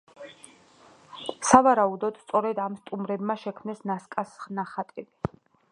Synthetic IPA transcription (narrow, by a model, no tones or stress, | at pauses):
savaɾaud̪ɔd̪̥st̪sʼɔɾɛd̪amst̪ʼumɾɛbmaʃɛkʰmnɛsnaskʼasχnaχat̪ʼɛbi